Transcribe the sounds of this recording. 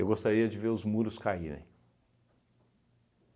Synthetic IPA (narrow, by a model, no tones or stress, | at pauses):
ewɡost̪aɾiɐd͡ʒɪveɾʊzmuɾʊskaiɾḛ̃j̃